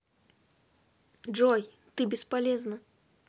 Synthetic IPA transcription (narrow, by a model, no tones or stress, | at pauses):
ʐɔj | t̪ɨbʲɪspalʲɛznɐ